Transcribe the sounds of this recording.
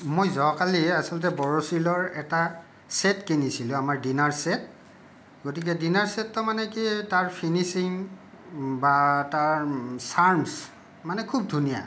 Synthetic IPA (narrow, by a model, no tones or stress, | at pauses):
mojzɔkaliasɔltɛbɔɹosilɔɹɛta | sɛtkenisilʊ̃amaɹdinaɹsɛt̚ | ɡotik̬ɛdinaɹsɛtːɔmanɛkitaɹpʰinisiŋ | bataɹsaɹms | manɛkʰub̚dʱunija̰